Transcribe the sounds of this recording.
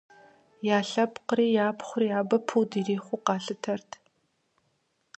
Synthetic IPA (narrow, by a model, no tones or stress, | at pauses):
jaːɬɐpqəɾiːjaːpχʷʊrjaːbɐpʰuːdiːriːχʷʊqɑːɬɨtʰɐrtʰ